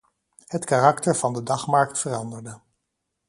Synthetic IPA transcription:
hətkarɑktəɹv̥ɑndədɑχmɑɹk̚tfərɑndəɹdə

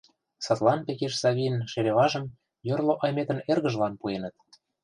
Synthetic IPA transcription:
sɑt̪lɑnpekeʃsɑβʲinʃeɾeβɑʒə̆m | jorloʔɑjmet̪ə̆nerɣə̆ʒlɑnpuenə̆t̪̚

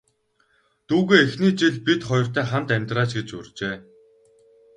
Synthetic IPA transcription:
t̪uːɣeːexniːt͡ɕiɮpit̪χɔjɞ̆r̥t̪æːχamt̪æmʲt̪raːt͡ɕɡet͡ɕʊ̰rʲt͡ɕeː

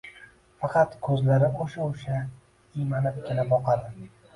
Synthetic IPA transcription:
fɑqɑt̪kʰɵzlaɾɪoʃaoʃa | imanɪp̚kʲʰelaɒqʰɑd̪ɪ

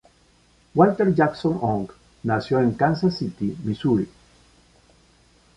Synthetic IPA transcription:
walt̪eɾd͡ʒaksonoŋk | nasjoeŋkans̬asit̪imisuɾi

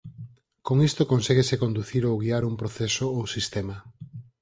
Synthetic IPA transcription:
koŋist̪okõnsɛɣesekond̪uθiɾowɣiaɾumpɾoθesoowsist̪ema

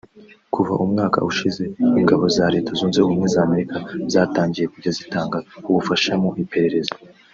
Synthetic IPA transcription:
kuva̰ʔumŋaːka̰uʃize̞iŋɡaβo̞zaɾe̞tazuːnzeumŋwezaːme̞ɾikazaːtaːɲɟije̞kuɾɟazitaːŋɡauβufaʃamo̞ʔipe̞ɾe̞ɾe̞za

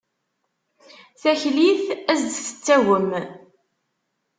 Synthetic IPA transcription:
θæçliθæzd̪θə̥t͡sːæwəm

